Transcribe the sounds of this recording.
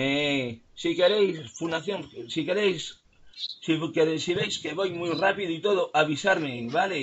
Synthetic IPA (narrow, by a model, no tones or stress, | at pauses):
esikeɾejsfund̪aθjoŋsikeɾejs | sikeɾesiβejskeβojmujrapiðoit̪oðoʔaβisaɾmeβale